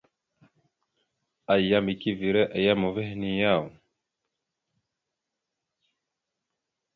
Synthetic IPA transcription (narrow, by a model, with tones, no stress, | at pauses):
a˨ja˦mbi˨ki˦vi˨ɾɛ˦ʔa˨ja˦mo˨vɛ˦hni˦ja˦˨u˨